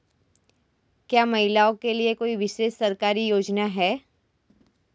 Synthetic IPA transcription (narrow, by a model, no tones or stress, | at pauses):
kjaːmɐɦɪlaːõkeliekoːiʋɪʃeːsːɐɾkaːɾijoːd͡ʒnaɦɛː